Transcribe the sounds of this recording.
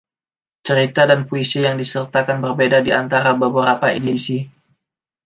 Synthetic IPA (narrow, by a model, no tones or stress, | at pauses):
t͡ʃəɾit̪adanpoisijaŋdisərt̪akanbərbedadiant̪aɾabəbəɾapaidisi